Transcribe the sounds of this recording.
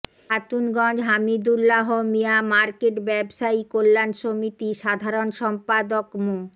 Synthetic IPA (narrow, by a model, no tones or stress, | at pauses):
at̪unɡɔ̃d͡ʑɦamid̪ulːaɦomijamaɾkeʈbɛbʃaikolːanʃomit̪iʃad̪ʱaɾonʃɔmpad̪okmo